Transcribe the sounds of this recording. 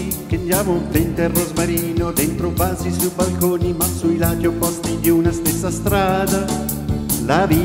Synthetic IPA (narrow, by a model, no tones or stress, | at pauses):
kend̪jaːmoumplent̪erːozmaɾiːnod̪ent̪ɾopaːzisujbalkoːnimasuilaːd͡ʒ̪iopɔst̪id̪iunast̪esːast̪ɾaːd̪a | lavi